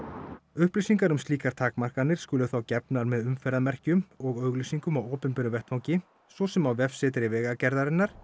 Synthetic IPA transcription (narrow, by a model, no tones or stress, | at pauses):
ʏhplisiŋkaɾʏmst̪liːkaɾ̥t̪ʰaːkmar̥kanɪɾ̥skʏːlʏθawcɛpnaɾmɛðʏmfɛɾaðmɛr̥cʏmɔɣœːɥɣlisiŋkʏmawoːpɪnpʏɾʏvɛht̪fawcɪ | sɔsɛmawvɛfsɪt̪̬ɾɪvɛːɣacɛɾðaɾɪnːaɾ̥